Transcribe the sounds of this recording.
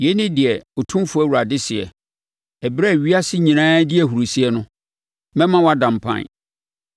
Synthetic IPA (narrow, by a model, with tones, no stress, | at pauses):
jɛ˨˦nɪ̃˦dɪ˨ɛ˨o˨tʰũ˦fʊ˨˦æ˦wu˨ɾa˨dɪ˦sɪ˨ɛ̰˨ | ɛ˨bɾɛ˦˨ɥi˦a˦sɪ˦ɲĩ˨nãː˦dɪ˦ɛ˨ɦu˨ɾu˨si˦ɛ˦nʊ̃˦ | mɛ̃˦mã˦wa˦dã˨m˨pʰã̰˦˨n